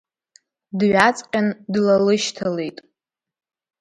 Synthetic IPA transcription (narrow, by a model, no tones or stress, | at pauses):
dɥat͡sʼqʲʼandlalɨʃtʰalejtʼ